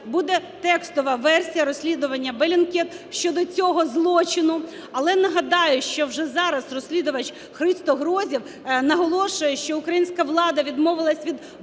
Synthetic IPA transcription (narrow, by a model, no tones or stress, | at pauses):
bud̪ɛt̪ɛkst̪ɔʋɐʋɛrsʲijɐɾɔsʲlʲid̪ʊʋɐnʲːɐbelʲinkʲɛt̪ʃt͡ʃɔd̪ɔt͡sʲɔɦɔzlˠɔt͡ʃɪnʊ | ɐlˠɛnɐɦɐd̪ɑjʊʃt͡ʃɔwʒɛzɑɾɐzrɔsʲlʲid̪ʊʋɐt͡ʃ | xɾɪst̪ɔɦɾɔzʲiw | nɐɦɔlˠɔʃʊjɛʃt͡ʃɔʊkɾɐjinʲsʲkɐʋlˠɑd̪ɐʋʲid̪mɔʋɪlˠɐsʲʋʲid̪